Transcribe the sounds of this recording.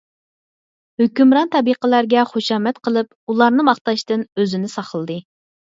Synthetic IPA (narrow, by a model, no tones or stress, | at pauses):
høkʲymɾɑnt̪ʰɑbiqəlæɾɡʲɛχoʃɑːmɛt̪qəlˠɨp | ulˠɑɾnɨmɑχt̪ɑʃt̪ɨnøzɪnɪsɑχəlˠd̪ɨ